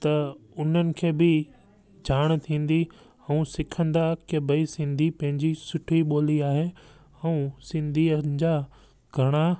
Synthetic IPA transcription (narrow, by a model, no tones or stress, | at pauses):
t̪ɐʊn̤ənɪ̆kʰeːbɪ | d͡ʑʱaːɽ̃t̪ʰĩːn̆d̪i | ɛ̃ũsɪkʰə̃nd̪akebɐisɪ̃nd̪ʱipɐ̃ɦɪ̃ɲd͡ʑisʊʈʰiɓoːliaːɦe | ɛ̃ũsɪ̃nd̪ʱiːəd͡ʑa | ɡʱɐɽ̃a